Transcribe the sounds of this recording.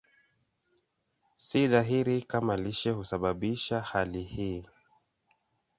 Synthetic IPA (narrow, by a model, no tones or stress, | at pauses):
siðaɦiɾikamaliʃɛhusaɓaɓiʃahalihiː